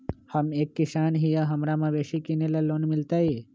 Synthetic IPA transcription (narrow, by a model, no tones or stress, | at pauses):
hɐmeːkːɪʃaːnɦijaɦɐmɾamɐ̃ʋeːʃikinelɐloːnmɪlt̪aiː